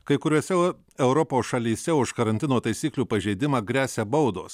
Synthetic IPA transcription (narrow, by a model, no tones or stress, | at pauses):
kɐɪkʊɾʲuːsʲɛ | ɛʊɾɔpoːsʃɐlʲiːsʲɛʊʃkɐɾɐnʲt̪ʲɪnoːt̪ɐɪsʲiːklʲuːpɐʒʲɛɪd̪ʲɪmɑːɡɾʲæːsʲɛbɐʊd̪o̰ːs